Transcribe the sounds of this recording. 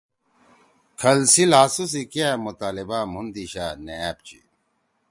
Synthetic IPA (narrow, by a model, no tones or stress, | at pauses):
kʰɐlsilɦaːsus̬ikiamut̪aːlibamund̪iɕaːneaːp̚t͡ɕḭ